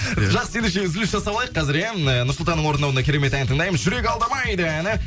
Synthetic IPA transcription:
ʒɑqsəjend̪eʃe̞ʏzɪlɪsʒɑsɑblˠɑjəqːʰɑzɪɾeənʊɾslˠt̪ɑnəɴwo̞ɾnɑwnɑkʰʲe̞ɾe̞me̞t̪æjnt̪ʰəɴd̪ɑjməzʒʏɾe̞kʲɑlˠd̪ɑmɑjd̪əænɪ

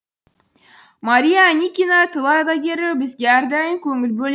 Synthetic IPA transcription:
maɾʲijaːnʲikʲinat̪ɯlˠɑjd̪ɑɡʲeɾɪbizɡʲeɑɾd̪ɑjɯŋkɵŋylbøl

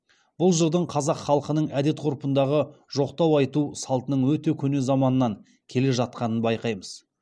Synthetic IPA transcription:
b̥ʊlˠʒəd̪əɴqʰɑzɑqχɑlˠəqənəɴæd̪e̞t̪̚qʰʊɾpənd̪ɑʁəʒo̞qt̪ɑwɑjt̪usɑlˠt̪ənəɴwɵt̪e̞kʲʰɵnezɑmɑnənɑŋ | kʲʰe̞le̞ʒɑt̪̚qɑnənbɑjqɑjməz̥

